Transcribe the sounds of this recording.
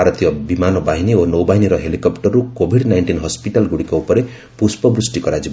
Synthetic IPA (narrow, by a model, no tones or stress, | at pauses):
aɾɔt̪ijɔbimanɔbaɦinionowbaɦiniɾɔɦelikɔpʈɔɾːukobʱiɖnajɳʈinɦɔspiʈalɡuɽikɔupɔɾe | puspɔbɾusʈikɔɾad͡ʒib